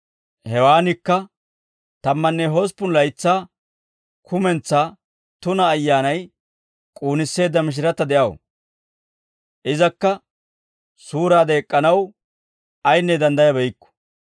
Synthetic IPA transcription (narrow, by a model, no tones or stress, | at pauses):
hɛwaːnɪkːɐ | t̪ɐmːɐnːɛɦoːspːʊnlɐjt͡sːaː | kʰʊmɛnt͡sːaː | t̪ʊnɐːjːaːnɐj | kʼuːnɪsːe̞ːd̪ɐmɪʃ̬ɪɾɐt̪ːɐd̪ɛʔɐw̰ | ʔɪzɐkːɐ | suːɾaːd̪ɐɛkʼːɐnɐw | ɐjnːɛd̪ɐnd̪ɐjɐbɛjkːɔ̥